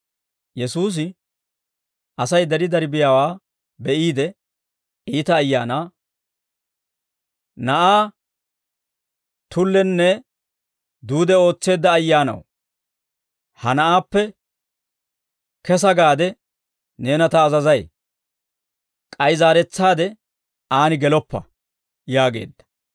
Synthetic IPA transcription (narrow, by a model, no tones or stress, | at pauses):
jɛsuːs̬ɪ | ɐsɐjd̪ɐɾɪd̪ɐɾɪbɪjaːwaː | bɛʔiːd̪ɛ | iːt̪ɐːjːa̰ːnaː | nɐʔaː | t̪ʊlːɛnːɛ | d̪uːd̪ɛo̞ːt͡sːe̞ːd̪ːɐːjːaːnɐ̰w | hɐnɐʔaːpːɛ | kɛs̬ɐɡaːd̪ɛ | ne̞ːnɐt̪ɐːzɐzɐj | kʼɐjzaːɾɛt͡sːaːd̪ɛ | aːnɪɡɛlɔpːɐ̰ | jaːɡe̞̰ːd̪ːɐ̥